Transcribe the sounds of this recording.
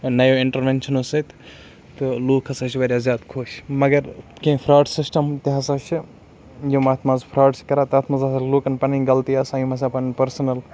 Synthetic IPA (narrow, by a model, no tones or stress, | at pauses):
nɐjoːiɳʈɐɾʋent͡ʃʰɐnosɐt̪ | t̪ɨluːkʰɐsat͡ʃʰibɐɾjaːzjaːd̪kʰoʃmɐɡɐɾkẽpʰɾaːɖsisʈɐmt̪iɦɐsat͡ʃʰi | jɐmɐːt̪ʰmazpʰɾaːɖskɐɾaːt̪ɐːt̪ʰmɐzɐsɐluːkɐnpɐnĩɡɐlt̪iɐːsajimɐs̬apɐnpɐɾsɐnɐl